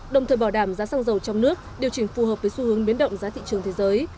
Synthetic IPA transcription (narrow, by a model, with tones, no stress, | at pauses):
ɗə˨˩wŋ͡mt̪ʰəː˨˩jɓa˧˩ɗaː˧˩mzaː˨˦saː˧ŋzə˨˩wt͡ɕɔ˧wŋ͡mnɨ˦˥ək̚ɗi˨˩əwt͡ɕï˧˩ŋ̟fu˨˩ɦəː˨˩p̚vəː˨˦jsu˧hɨ˨˦əŋɓi˨˦ənɗə̰˧˨wŋ͡mzaː˨˦t̪ʰḭ˧˨t͡ɕɨ˨˩əŋt̪ʰe˨˦zəː˨˦j